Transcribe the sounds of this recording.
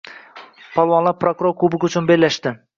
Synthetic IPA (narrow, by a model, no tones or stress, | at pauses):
pʰɒlˠwɒnlˠaɾpʰɾokuɾoɾkʰubɪkʲʊt͡ʃʰʊnbelʲːaʃt̪ɪ